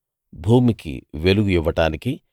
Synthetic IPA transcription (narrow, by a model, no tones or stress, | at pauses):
bʱuːmikḭʋeluɡujuʋːɐʈaːniki